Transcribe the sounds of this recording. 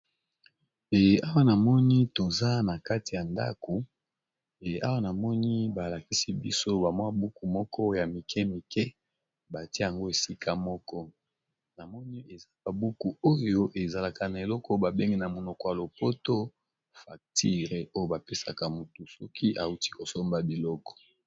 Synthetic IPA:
e˨a˦wa˦na˨mɔ˦ni˦to˨za˦na˨ka˦ti˨ja˨nda̰˦ko˨ | e˨a̰˦wa˦na˨mɔ˦ni˦ba˨la˨ki˦si˦bḭ˦so˦ba˨mwa˦bu˦ku˨mɔ˦kʰɔ˦ja˨mi˨kʰɛ˦mi˨kɛ˦ | ba˨tje˦˨a˨ŋɡo˦e˨si˦kʰa˦mɔ˦kɔ˦ | na˨mɔ˦ni˦e˨za˦ba˨bu˦ku˨o˦jo˦ʔe˨za˨la˨ka˨na˨e˨lɔ˦kʰɔ˦ba˨be˦ŋɡi˦na˨mo˨nɔ˨kɔ˨ja˨lo˨po˦to˦ | fa˨k̚ti˦ʁe˨ʔo˦jo˦ba˨pe˦sa̰˨ka˨mu˨tu˨sɔ˦kʰi˦ʔa˨u˦ti̥˦ko˨so˦mba˨bi˨lɔ˦kɔ̥˨

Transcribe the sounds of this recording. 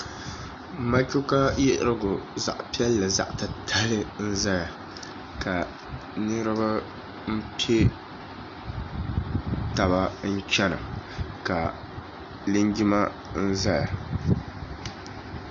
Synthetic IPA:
ma˦kʲʊ˦ka˦jɛ˦ʔɾɨ˦ɡʊ˨za̰˨ʔpi˦ɛ˦lːɨ˨za̰˨ʔtɨ˨tʰa˦lɨ˦n̩˦za˦ja˨ | ka˨ | nɨ˦ɾɨ˦ba˦ | m̩˦pi˦e˦ | ta˨ba˦n̩˦t͡ʃɛ˦nɨ̰˨ka˨ | lɨ˦ɲɡi˦ma˦ | n̩˦za˦ja˨

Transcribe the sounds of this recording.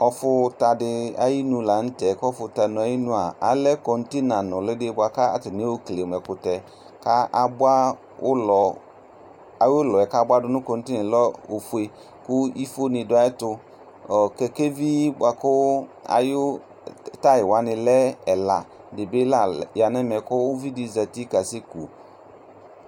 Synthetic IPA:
ɔ˨fʊ˦ta˨dɪ˨a̰˨ji˦nũ˨la˨n̩˦tɛ˨kɔ˦fʊ˨ta˨nʊ̃˨a˨˦ji˦nũ˦a˨a̰˨lɛ˦kɔ˨n̩˦ti˦nã˨nʊ̃˨lɪ˦dɪ˦bʊ˦a˨ka˦a̰˨tɪ˨nɪ˦o˦kle˨m˨ɛ˨kʊ˨tɛ˨ | ka˦ʔa˨bʊ˦a˦ | ʊ˦lɔ˨ | a˨jʊ˦lɔ˨ɛ˨ka˦bʊ˦a˦dʊ˦nʊ̃˦kɔ˨n̩˦tɪ˦nɪ̃˨lɔ˦o˨fu˨˦e˨ | kʊ˦i˦fo˦nɪ˨dʊ˨˦a˦ɪ˦tʊ˨ | kɛ˨ke˦vi˦bʊ˨a˨kʊ˦a̰˨jʊ˦˨ | ta˦jɪ˨wa˨˦nɪ˨lɛ˦ɛ˨la˨ | dɪ˨bɪ˦la˨ja˨nɛ˦mɛ˨kʊ˦ʊ˦vi˦di˨za˨ti˦ka˨sɪ˦kṵ˨

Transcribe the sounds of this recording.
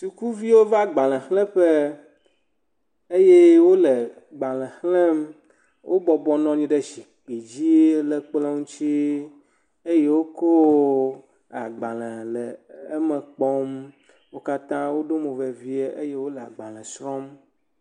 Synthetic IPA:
su˨ku˦vi˦wo˦va˦ɡ͡ba˨lɛ̃˨xlɛ̃˦ɸe˦ | e˦je˦wo˦lɛ˨ | ɡ͡ba˨lɛ̃˨xlɛ̃˦m | wʔo˦bɔ˨bɔ˨nɔ̃˦ɲĩ˦ɖɛ˦ʃi˨k͡pi˨d͡ʑi˦lɛ˨k͡ple˦ŋũ˦t͡ɕi˦ | e˦je˦wo˦ko˦ | a˨ɡ͡ba˨lɛ̃˨lɛ˨e˦mɛ̃˨k͡pɔ˦m | wo˦ka˦t̪ã˦wo˦ɖo˦mẽ˨vɛ˨vi˦e˦ʔe˦je˦wo˦lɛ˨a̰˨ɡ͡ba˨lɛ̃˨sɾɔ̃˦m

